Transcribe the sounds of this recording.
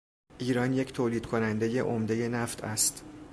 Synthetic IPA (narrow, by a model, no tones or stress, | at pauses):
ʔiːɾɒːnje̞cʰt̪ʰoːliːd̪̥kʰo̞nænd̪e̞je̞̰ʔomd̪e̞je̞næft̪ʰæst̪